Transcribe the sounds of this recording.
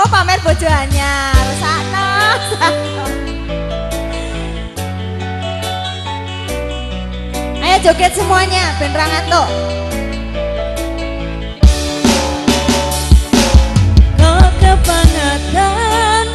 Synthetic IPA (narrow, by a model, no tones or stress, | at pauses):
opamɛrb̥od̥d͡ʒ̥o̤ɦaɲaɾusanaat̪ | ajadd͡ʒoɡɛt̪̚səmuaɲab̥ɛ̤nraŋant̪ɔʔ | kakabaŋəd̪a